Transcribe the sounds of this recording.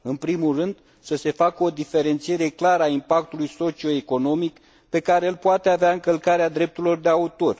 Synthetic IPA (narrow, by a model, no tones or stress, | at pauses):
ɨnpɾimulrɨnd̪ | səse̞fakəo̞d̪ife̞ɾe̞nt̪sije̞ɾe̞klaɾəaimpak̚t̪ulujso̞t͡ʃio̞eko̞no̞mik | pe̞kaɾe̞ɨlpoat̪eaveaɨŋkəlkaɾead̪ɾe̞p̚t̪uɾilo̞rd̪e̞aut̪o̞r